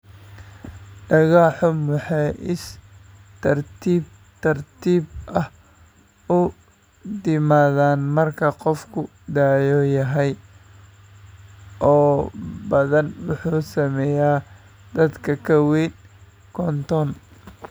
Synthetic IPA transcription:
ɖɐɣɑːħʊmʊħɑjʔɪs | t̪ʰɐrt̪ʰiːb̚ | t̪ʰɐrt̪ʰiːbʔɐh | ʊ | d̪ɪmaːðaːnmɐrkʰɐqɔfkʰʊ | d̪aːjɔjɐɦɛj | ʔɔːbɐðɐnwʊħuːsɐmɛjaː | d̪ɐd̪kʰɐkʰɐwɛːn | kʰɔnt̪ɔn

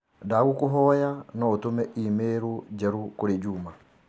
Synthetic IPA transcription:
daɣukoɦɔjanɔotomɛʔimeːɾod͡ʒɛɾukoɾed͡ʒuma

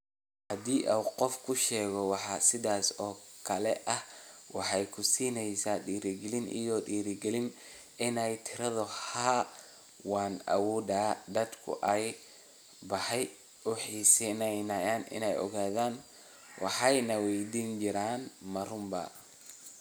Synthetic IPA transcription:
hɐd̪iːʔɐwqɔfkʰʊʃɛːɣɔwɑħɑsɪðaːsɔːkʰɐlɛʔɐhwɑħɑjkʰʊsiːnɛjsaːɖiːɾɪɡɛlɪnʔḭjɔɖiːɾɪɡɛlɪn | ɪnɛjt̪ʰɪɾɐðʊha | wɑːnɐ̰wuːd̪aːd̪ɐd̪kʰʊ̰ʔɛj | bɐħɛj | ʊħiːsɪnɛjnɐjaːnʔɪ̰nɛjʔɔ̰ɣaːðaːn | wʔɑ̰ħɑjnɐwɛjd̪iːnd͡ʒɪɾaːnmɐrʊmbɐ̰

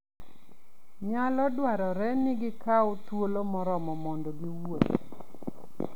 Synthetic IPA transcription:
ɲalɔdwaɾɔɾɛnɪɡɪkaotwolomɔɾɔmɔmɔndɔɡiwot

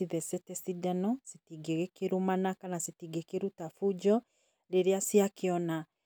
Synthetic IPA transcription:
siðɛsɛtɛsidɛnɔsitiɡeɣekeɾumanakanasitiɡekeɾutafud͡ʒɔ | ɾeɾeasiakeɔna

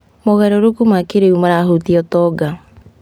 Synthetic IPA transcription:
moɣɛɾɔɾokumakeɾeumaɾaɦutiɔtɔɡa

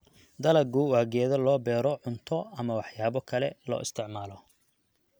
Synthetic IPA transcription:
d̪ɐlɐɡuwaːɡɛːðɐlɔːbɛːɾɔʕʊnt̪ʰɔɐmɐwɑħjaːβɔkʰɐlɛ̰lɔ̰ːʔɪst̪ʰɪʕmaːlɔ

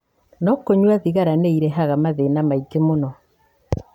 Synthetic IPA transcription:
nɔkoɲwaðiɣaɾaneiɾɛɦaɣamaðenamaikemonɔ

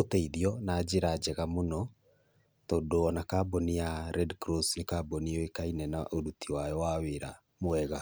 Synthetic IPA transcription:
otɛiðiɔnaːd͡ʒeɾad͡ʒɛɣamonɔ | toːdoɔnakabɔnijaɾɛdkɾɔsnekabɔniɔekainɛnaʔoɾutiwajɔwaweɾa̰ | moɛɣa

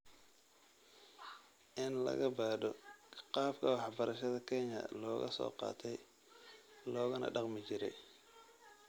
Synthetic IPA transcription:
ʔɪnlɐ̰ɣɐbaːɖɔqɑːbkʰɐwɑħbɐɾɐʃɐðɐkʰɛɲɐ̰lɔːɣɐ̰sɔ̰ːqɑ̰ːt̪ʰɛj | lɔːɣɐnɐ̰ɖɑqmɪt͡ʃɪɾɛj

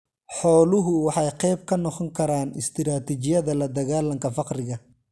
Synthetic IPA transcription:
ħɔːlʊɦʊwɑħɑjqɛjb̚kʰɐnɔqɔŋkʰɐɾaːnɪst̪ʰɪɾaːt̪ʰit͡ʃɪjɐðɐlɐd̪ɐɣaːlɐŋkʰɐfɑqɾɪɣɐ

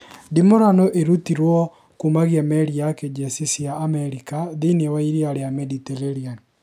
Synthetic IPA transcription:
dimɔɾanɔʔeɾut̪iɾwɔ | kumaɣjɛmɛɾiaked͡ʒesisjaːmɛɾikaðinewaiɾiaɾejamɛditeɾeɾian

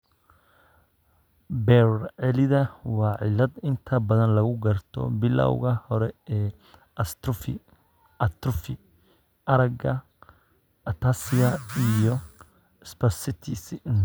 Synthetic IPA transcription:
bɛrʕɛlɪðɐwɑːʕɪlɐd̪ɪnt̪ʰɐbɐðɐnlɐɣʊɡɐrt̪ʰɔ̰bɪlɐ̰wɣɐhɔɾɛɛː | ɐst̪f | ɐt̪ɾʊfɪ | ʔɐɾɐɡɐ | ɐt̪ʰasɪjɐijɔ | spɛsɪt̪ʰisɪn

